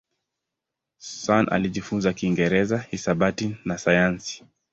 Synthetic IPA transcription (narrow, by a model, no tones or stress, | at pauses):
ssana̰liʄifunzakiŋɡɛɾɛzahisabatinasajansi̥